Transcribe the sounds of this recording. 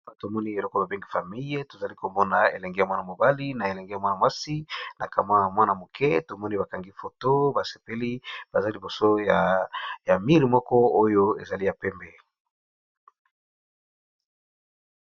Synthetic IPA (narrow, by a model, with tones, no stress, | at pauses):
a˨to˨mɔ˦ni˦e˨lɔ˦kɔ˦ba˨be˦ŋɡi˨fa˨mi˦je˦to˨za˨li˦ko˨mbɔ˦na˨ḛ˨lɛ˨ŋɡe˦ja˨mwa˦na˨mo˨ba˦li˦na˨e˨lɛ˨ŋɡe˦a˨mwa˦na˨mwa˦si˦na˨ka˨ma˦ja˨mwa˦na˨mo˨kʰɛ̰˦to˨mɔ˦ni˦ba˨ka˨ŋɡi˦fo˨to˦ba˨se̥˨pe˦li˦b̥a˨za˦li˨bo˨so˦ja˨ja˨mi˦ʁi˨mɔ˦kɔ˦o˦jo˦ḛ˨za˨li˦ja˨pɛ˦mbɛ˨